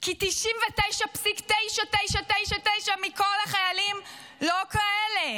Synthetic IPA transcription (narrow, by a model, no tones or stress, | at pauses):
kit̪iʃimvetejʃapsikt̪ejʃat̪ejʃatejʃatejʃamiko̞laχajalim | lo̞kaʔele